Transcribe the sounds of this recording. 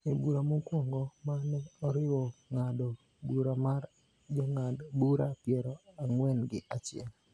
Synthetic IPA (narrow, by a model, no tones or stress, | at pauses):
ebuɾamokwɔŋɡɔmanɛɔɾɪwɔŋado | buɾamar | d͡ʒɔŋadbuɾapjɛɾɔaŋwɛnɡɪʔat͡ʃɪɛ̰l